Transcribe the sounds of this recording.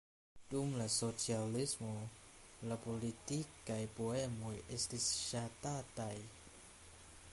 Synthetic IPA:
dumlasot͡ʃialismolapolit̪ikːajpoɛmojʔest̪isʃat̪at̪aj

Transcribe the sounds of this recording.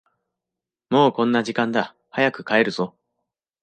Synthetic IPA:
mo̞ːkõ̞nːaʑikãnd̪a | hajakɯ̟̥kae̞ɾɯ̟z̥o

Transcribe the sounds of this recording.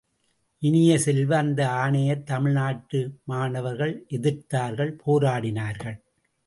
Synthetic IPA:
ʔɪnɪjɐsɛlʋɐːnd̪ɐaːɳɐjɐɾt̪ɐmɪɭnaːʈːɯmaːnɐʋɐɾɣɐɭʔɛðɪɾt̪aːɾɣɐɭpʰoːɾaːɽɪnaːɾɣɐɭ

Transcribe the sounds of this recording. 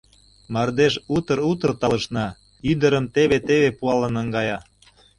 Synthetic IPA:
mɑrd̪eʃut̪əɾut̪ərt̪ɑləʃnɑ | yd̪əɾəmt̪eβet̪eβepuɑlənəŋɡɑjɑ

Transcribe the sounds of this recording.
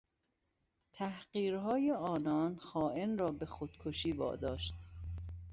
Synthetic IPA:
t̪ʰæhɢiːɾɦɒːjeɒːnɒːnxɒːʔenrɒːbe̞xod̪̥kʰoʃiːbɒ̰ːd̪ɒːʃt̪

